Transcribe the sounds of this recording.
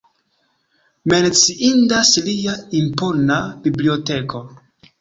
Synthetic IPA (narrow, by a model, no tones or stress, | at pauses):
me̞nt͡siʔindasliaimponabiblio̞te̞kʰo̞